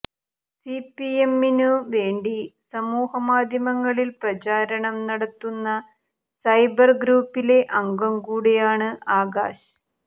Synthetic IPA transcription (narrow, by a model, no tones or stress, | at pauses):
sipːiemːinuʋe̞ːɳɖisɐmuːhɐmaːd̪ʱjɐmɐŋːɐɭilprɐt͡ɕaːɾɐɳɐmnɐɽɐt̪ːunːɐ | sɐjbɐrɡɾuːpːile̞ʔɐŋɡɐmkuːɽejaːɳɨaːɡa̰ːɕɐ